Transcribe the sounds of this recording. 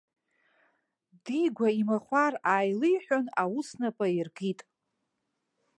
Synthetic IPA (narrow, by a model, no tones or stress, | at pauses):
diɡʷaimaχʷaraːjlɨjħʷᶣonawusnapʼairɡitʼ